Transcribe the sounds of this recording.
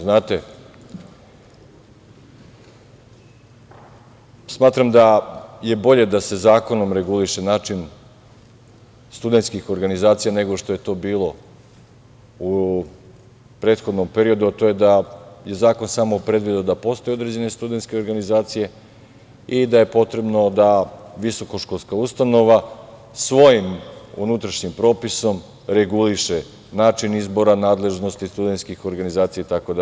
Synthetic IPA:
znaːt̪e̞ | smaːt̪ɾamd̪aje̞bo̞ʎe̞d̪ase̞zaːko̞no̞mɾe̞ɡuliʃe̞naːt͡ʃin | st̪ud̪e̞nt̪skixo̞ɾɡanizaːt̪sijane̞ɡo̞ʃt̪o̞je̞t̪o̞ːbiːlˠo̞ | u | pɾe̞ːt̪xod̪no̞mpe̞ɾio̞d̪uat̪o̞je̞d̪aje̞zaːko̞nsamo̞pɾe̞d̪ʋid̪eod̪apo̞st̪o̞jeo̞d̪ɾed͡ʑe̞ne̞st̪ud̪e̞nt̪ske̞oɾɡanizaːt̪sije̞ | id̪aje̞po̞t̪ɾe̞bno̞d̪aʋiso̞ko̞ʃkolskaust̪ano̞ʋa | sʋo̞jimṵnut̪ɾaʃɲimpɾo̞ːpiso̞m | ɾeɡuliʃe | naːt͡ʃinizbo̞ɾanaːd̪le̞ʒno̞st̪ist̪ud̪et̪skixo̞ɾɡanizaːt̪sijait̪akod̪a

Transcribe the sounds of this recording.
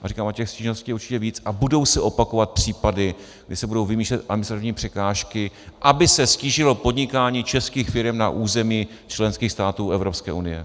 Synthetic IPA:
ʔarikaːmocɛxsciːʒnostcʲiːjɛuɾt͡ʃɪcɛviːt͡sʔabudo̞wsɛʔo̞pako̞vat̪̚pr̝̥iːpadɪ | ɡdɪsɛbudo̞wvɪmiːʃlɛt̪ʔadmɪnst̪ɾat̪ɪvɲiːpr̝̥ɛkaːʃkɪʔabɪsɛsciːʒɪlo̞po̞dɲɪkaːɲiːt͡ʃɛskiːxfɪɾɛmna̰ʔuːzɛmiː | t͡ʃlɛnskiːxst̪aːt̪uːʔɛvɾopskɛ̰ːʔunɪjɛ̰

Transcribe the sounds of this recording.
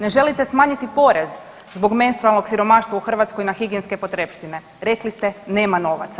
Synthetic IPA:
ne̞ʒe̞lit̪e̞smaːɲit̪ipo̞ɾe̞z | zbo̞ɡme̞nst̪ɾalˠno̞ɡsiɾo̞maʃt̪ʋauxr̩ʋat̪sko̞jinaxiɡienske̞pot̪ɾepʃt̪ine̞ | ɾe̞klist̪ene̞ːmano̞ʋa̰t̪sa

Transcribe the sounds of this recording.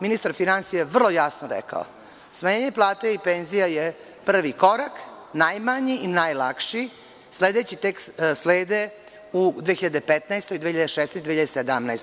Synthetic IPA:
minist̪aɾfinansijaʋr̩lˠojasnoɾɛ̰ka̰o̰ | smaɲeːɲeplˠaːt̪eipenzijaje | pr̩ʋikoɾak | najmaɲiinajlakʂi | sleːd̪et͡ɕit̪eksleːd̪e | ud̪ʋeçiʎad̪epet̪naest̪ojd̪ʋeːçiʎad̪eʃesɛsd̪ʋeiʎad̪esed̪amnajst̪

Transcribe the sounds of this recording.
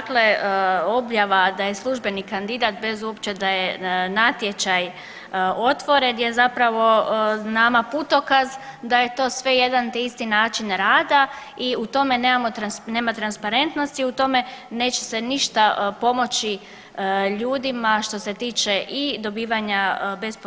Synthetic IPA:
akleo̞bjaʋad̪aje̞slˠuʒbe̞nikand̪id̪at̪̚be̞zuopt͡ʃe̞d̪ajenat̪jet͡ɕaj | o̞t̪ʋo̞ɾe̞njezapɾaʋo̞namapuːt̪o̞kazd̪aje̞t̪o̞ːsʋe̞jed̪ant̪eist̪inaːt͡ʃinɾaːd̪a | iut̪o̞me̞neːmamot̪ɾane̞ːmat̪ɾanspaɾe̞nt̪no̞st̪iut̪o̞me̞ne̞ːt͡ɕeseniʃt̪apo̞mo̞t͡ɕi | ʎuːd̪imaʃt̪o̞se̞t̪iːt͡ʃeʔid̪o̞biːʋaɲabe̞sp

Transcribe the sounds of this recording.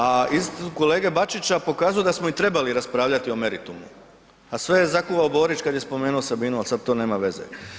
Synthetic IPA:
aist̪ko̞le̞ːɡebat͡ʃit͡ɕapo̞kaːzuje̞d̪asmoit̪ɾe̞baliɾaspɾaːʋlʎat̪io̞me̞ɾit̪umṵ | asʋe̞jezakuʋaobo̞ːɾit͡ʃkad̪je̞spo̞me̞ːnuosabiːnualˠsad̪̚t̪o̞ːne̞ːmaʋe̞zḛ

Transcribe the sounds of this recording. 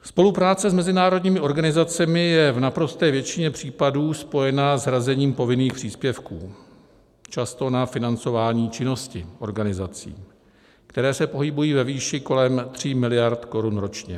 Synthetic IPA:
spo̞lupɾaːt͡sɛzmɛzɪnaːɾo̞dɲiːmɪʔo̞ɾɡanɪzat͡sɛmɪjɛvnapɾo̞st̪ɛːvjɛt͡ʃɪɲɛpr̝̥iːpaduːspo̞jɛnazɦɾazɛɲiːmpo̞vɪniːxpr̥iːspjɛfkṵː | t͡ʃast̪o̞nafɪnant͡so̞vaːɲiːt͡ʃɪno̞scɪʔo̞ɾɡanɪzat͡sḭː | kt̪ɛɾɛːsɛpo̞ɦɪbujiːvɛviːʃɪko̞lɛmt̪r̝̥imɪlɪjaɾt̪ko̞ɾunɾo̞t͡ʃɲɛ̰

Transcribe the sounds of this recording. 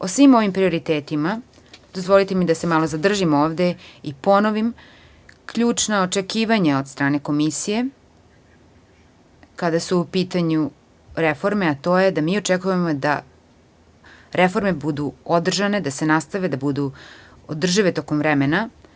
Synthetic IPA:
osʋimo̞ʋimpɾio̞ɾit̪eːt̪ima | d̪̥o̞zvʋo̞lit̪emid̪ase̞malˠozad̪r̩ʒimoːʋd̪eipo̞noʋim | kʎuːt͡ʂnaot͡ʃekiːʋaɲaod̪st̪ɾaːne̞ko̞misije̞ | kad̪asuːpiːt̪aɲu | ɾefo̞ɾme̞at̪o̞ːjed̪amiːot͡ʃekujemod̪a̰ | ɾʔefo̞ɾme̞bud̪uod̪r̩ʒaned̪ase̞nast̪aʋe̞d̪abud̪u | od̪r̩ʒiʋet̪o̞ko̞mvɾemena

